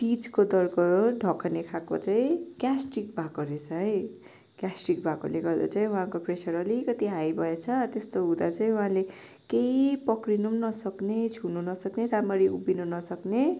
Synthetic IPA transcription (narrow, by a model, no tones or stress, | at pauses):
ʈ̪it͡skod̪ʌrkʌoɖʱʌkʰʌnekʰako̰t͡saĩkjasʈikbʱakoɾet͡sʰʌɦʌj | kjasʈikbʱako̰leɡʌrd̪a̰t͡saĩũɦãkopresʌɾʌlikʌt̪iɦajbʱʌjet͡sʰʌt̪est̪oɦud̪at͡saĩũɦãle | keipʌkrinumnʌsʌknet͡sʰununʌsʌkneɾamʌɾiubinunʌsʌkne